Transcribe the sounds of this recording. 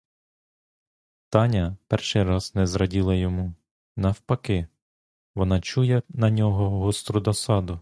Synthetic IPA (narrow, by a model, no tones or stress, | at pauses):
t̪ɑnʲɐpɛrʃɪjɾɑz̥nɛzɾɐdʲilˠɐjɔmu | nɐwpɐkɪ | ʋɔnɑt͡ʃujɛnɐnʲɔɦɔɦɔst̪ɾʊd̪ɐsɑd̪ʊ